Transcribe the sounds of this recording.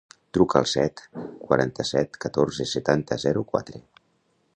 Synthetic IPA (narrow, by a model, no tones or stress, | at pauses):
t̪ɾukəːlˠsɛt̪kwa̰ɾʔant̪əsɛt̪kət̪oɾzesət̪ant̪əzɛɾukwa̰t̪ɾe